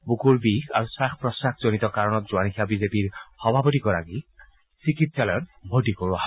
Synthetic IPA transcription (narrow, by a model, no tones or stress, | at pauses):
bukuɹbixaɹusaxpɹɔsakzonit̪ɔkaɹɔnɔt̪̚zuanixʰiabizepiɹxɔbʱabɔtikɔɹaɡi | sikit̪salɔjɔnbʱodikoɹuaɦa